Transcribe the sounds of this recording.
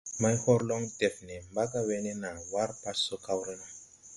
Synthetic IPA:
ma˦jhɔ˦ɾlo˦ŋte˨fne˨mba˦ka˦we˦ne˦na˨wa˦ɾpa˦sso˦ka˦wɾe˦na˨

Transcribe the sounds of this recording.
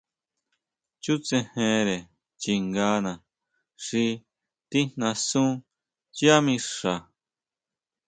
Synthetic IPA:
t͡ʃu˦t͡sẽ˧hẽ˧ɾe˨ | t͡ʃi˧ŋɡaː˧˦nã˨ | ʂi˧ | t̪i˦n̥nã˧sũ˦ | t͡ʃi˦a˦mĩ˧ʂa˨

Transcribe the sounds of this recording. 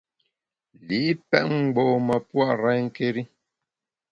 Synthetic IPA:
li˨˦pɛ̰˦ʔŋ̩˨ɡ͡bo˨mə˨pwa˦˨ʔɾɛ˦ŋ̩˦ke˦ɾi˦

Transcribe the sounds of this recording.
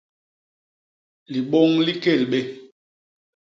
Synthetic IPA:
li˨ɓɔ˦ŋli˦ke˦˨lɓe˦

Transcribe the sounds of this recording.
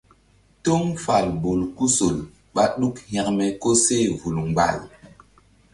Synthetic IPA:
to˦ŋfa˨lbo˨lku˦so˨l | ɓa˦ɗu˦khɛ̃˨kmɛ˨ko˦se˦vu˨lŋɡ͡ba̰˨l

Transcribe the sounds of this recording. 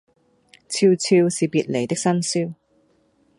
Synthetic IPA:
t͡sʰiː˧wt͡sʰiː˧wsiː˨piː˨˧t̚le˨˩t̪ɪ˥k̚sɐ˥nsiː˥w

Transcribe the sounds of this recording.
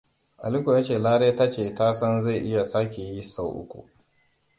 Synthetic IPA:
ʔa˨lɪ˦ku˨jaː˦t͡ʃeː˨laː˦ɾeː˦ta˦t͡ʃeː˨taː˦sɐ˦nza˦˨jʔɪ˦ja˨sa˦kʲe˨ji˦sa˦wʔʊ̰˦kʷṵ˨

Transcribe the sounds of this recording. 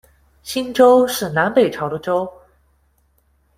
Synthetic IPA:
ɕi˥nʈ͡ʂo˥ʊʂɻ̩˥˩na˧˥npe˨˩ɪʈ͡ʂʰɑ˧˥ʊd̪ə˧ʈ͡ʂo˥ʊ

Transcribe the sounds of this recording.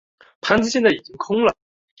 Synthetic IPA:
pʰa˥nd͡ʑʰi˥ɕʰe˥nd͡za˥˩i˨˩t͡ɕi˧˦ŋkʰʊ˥ŋla˨˩

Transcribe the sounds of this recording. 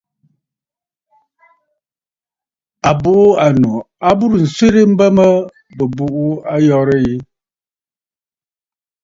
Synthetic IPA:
a˨bu˦˨ʔa˨nu˨ | a˦bu˦ɾn̩˨swe˦ɾi˦m̩˦bə˦mə˦ | bə˨bu˨ʔu˦a˦jɔ˦ɾə˦i˦

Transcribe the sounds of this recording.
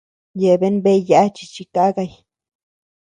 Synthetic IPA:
je˨be˦nbe˦ja˧˦t͡ʃi̥˧t͡ʃi˧ka˦ɡa˧j

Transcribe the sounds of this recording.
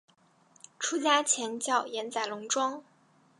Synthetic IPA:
ʈ͡ʂʰu˥t͡ɕja˥t͡ɕʰjɛ˧˥nt͡ɕjɑ˥˩ʊjɛ˧˥nt͡sa˨˩ɪlʊ˧˥ŋʈ͡ʂwɑ˥ŋ

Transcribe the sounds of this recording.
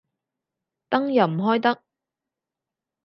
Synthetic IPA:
t̪ɐ˥ŋjɐ˨˩wm̩˨˩ɦɔː˥jt̪ɐ˥k̚

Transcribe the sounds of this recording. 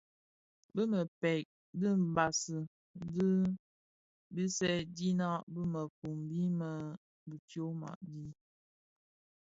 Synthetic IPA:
bə˦mə˨pɛ˨k̚ | di˦m̩˨ba˨sə˨ | di˦ | bi˦sɛ˦di˦na˦bə˦mə˨fu˨mbi˦mə˨ | bi˨tjo˦ma̰˨ʔdi˦

